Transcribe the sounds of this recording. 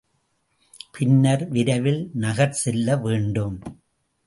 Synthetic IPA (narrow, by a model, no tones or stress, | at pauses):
pʰɪnːɐɾʋɪɾɐʋɪlnɐɣɐɾsɛlːɐʋeːɳɖɯm